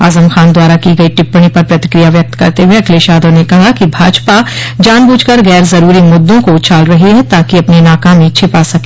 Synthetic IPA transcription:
a̰ːzəmxaːnd̪waːɾakiɡɐiʈɪpːəɽ̃ipɐɾpɾɐt̪ɪ̥kɾijaʋjɐk̚t̪kɐ̰ɾt̪eɦueɐkʰleːʃaːd̪onekɐɦakibʱaːd͡ʒpad͡ʒaːnbuːd͡ʒkɐɾɣɛːɾzɐɾuːɾimʊd̪ʱːõkot͡ʃaːlɾɐɦiɦɛt̪aːkiɐpninaːkaːmĩt͡ʃʰɪpasɐke

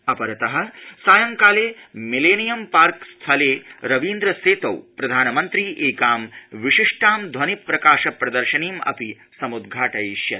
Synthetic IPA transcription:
ɐpɐɾɐt̪ɐɦɐ̆saːjɐŋkaːleːmileːnijɐmpaːɾkst̪ʰɐleːɾɐʋiːnd̪ɾɐseːt̪ɐwpɾɐd̪ʱaːnɐmɐnt̪ɾiːʔeːkaːmʋiʂiʂʈaːmd̪ʱʋɐnipɾɐkaːʃɐpɾɐd̪ɐɾʃɐniːmɐ̰pi | sɐmud̪ɡʱaːʈɐjʃjɐ

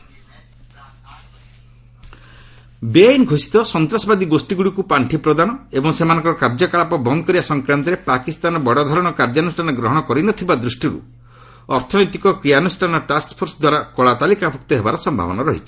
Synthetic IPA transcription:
beajnɡʱosi̥t̪ɔsɔnt̪ɾasɔbad̪iɡosʈiɡuɽikupaɳʈʰipɾɔd̪anɔebɔŋsemanɔ̃ŋkɔɾɔkaɾd͡ʒɔkaɭapɔbɔnd̪ɔkɔɾibasɔŋkɾant̪ɔɾepakist̪anɔbɔɽɔd̪ʱɔɾɔɽ̃ɔkaɾd͡ʒanusʈʰanɔɡɾɔɦɔɽ̃ɔkɔɾinɔt̪ʰibad̪ɾusʈiɾṵ | ɔɾt̪ʰɔnɔjt̪ikɔkɾianusʈʰanɔʈaspʰoɾsɔd̪waɾakɔɭat̪alikabʱuk̚t̪ɔɦebaɾɔsɔmbʱa̰bɔnɔɾɔɦit͡ʃʰi̥

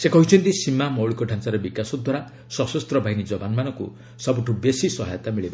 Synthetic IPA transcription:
sekɔɦit͡ʃʰɔnt̪isimamɔwɭikɔɖʱant͡ʃaɾebikasɔd̪waɾa | sɔsɔst̪ɾɔbʱaɦinid͡ʒɔbanmanɔŋkṵ | sɔbuʈʰubesisɔɦajɔt̪amiɭiba

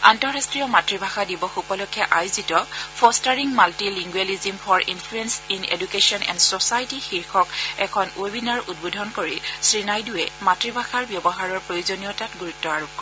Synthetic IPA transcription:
antɔɹastɹiɔmatɹibʱaxadibɔxupɔlokʰːjaʔajʊzitɔpʰɔstaɹiŋmaltiliŋɡwelizimfʰɔɹḭnfʰluensinḛdukesiɔnɛ̰ndsɔsajtixiɹxʰɔkɛkʰɔnobinaɹṵt̚bodʱɔnkoɹisɹinajduɛmatɹibʱaxaɹbjɔbɔɦaɹɔɹpɹojozonijɔtatɡuɹutːɔaɹukɔ

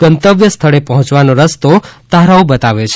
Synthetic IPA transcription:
ɡ̥ənt̪əʋjəst̪ʰəɭepəɦʊ̃t͡ʃʋanoɾəst̪ot̪aɾaobət̪aʋet͡ʃʰ

